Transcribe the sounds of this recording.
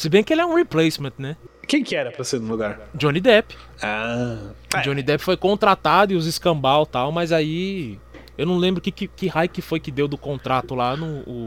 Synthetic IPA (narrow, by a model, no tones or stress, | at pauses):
sɪbẽj̃kɪelɪɛũheplejsmẽt̪nɛkẽj̃kɪɛɾɐpɾɐseɾnũluɡaɾd͡ʒõnid̪ɛpɪ̥ | a | d͡ʒõnid̪ɛpɪ̥fojkõnt̪ɾat̪ad̪ʊɪʊzɪskɐ̃mbawt̪awmɐzai | ewnɐ̃w̃lẽmbɾʊkɪkɪkɪhajkɪfojkɪd̪ewd̪ʊkõnt̪ɾat̪ʊlanʊː